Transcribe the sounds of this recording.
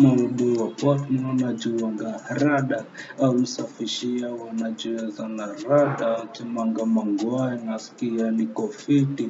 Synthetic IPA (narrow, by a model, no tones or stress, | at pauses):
mauɓuwapɔtmɔnad͡ʒiwaŋɡaɾaɗaːusafiʃiawanad͡ʒɛɛzanaɾaɗakimaŋɡamaŋɡwainaskianikɔfiti